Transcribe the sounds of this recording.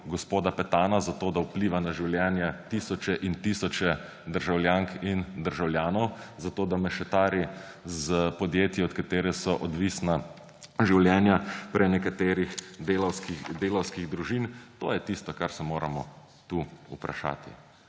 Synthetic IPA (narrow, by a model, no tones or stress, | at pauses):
ɡɔspoːd̪apɛt̪aːnazat̪oːd̪aupliːʋanaʒiwljɛːnjat̪iːsɔt͡ʃɛʔint̪iːsɔt͡ʃɛ | d̪əɾʒawljaŋkind̪əɾʒawljaːnɔwzat̪oːd̪amɛʃɛt̪aːɾi | zpɔd̪jeːt̪jiɔt̪kat̪eːɾɛsɔʔɔd̪ʋiːsna | ʒiwlʲjɛːnjapɾɛnɛkat̪eːɾixd̪eːlɔwskid̪eːlɔwskiɣd̪ɾuʒint̪oːjɛt̪ist̪ɔkaɾsɛmoːɾa̰mɔ | t̪uːupɾa̰ʃa̰ːt̪ḭ